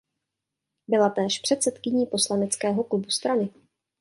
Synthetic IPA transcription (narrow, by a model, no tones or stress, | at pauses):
bɪlat̪ɛːʃpr̝̥ɛt̪sɛt̪kɪɲiːpo̞slanɛt͡skɛːɦo̞klubust̪ɾanɪ